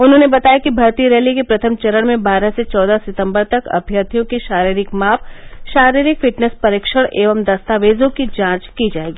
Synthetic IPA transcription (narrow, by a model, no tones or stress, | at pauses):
ʊnɦõːnebɐt̪aːjakibʱɐɾt̪iɾɛːlikepɾɐt̪ʰəmt͡ʃɐɾəɽ̃mẽbaːɾaset͡ʃɔːd̪asɪt̪ə̃mbəɾt̪ɐkɐ̰bʱjət̪ʰijõkiʃaːɾiːɾɪkmaːfʃaːɾiːɾɪkfɪʈnəspɐɾɪːkʃəɽ̃ʔeːʋəmd̪ɐst̪aːʋeːzõkid͡ʒãːt͡ʃkid͡ʒaːeːɡiː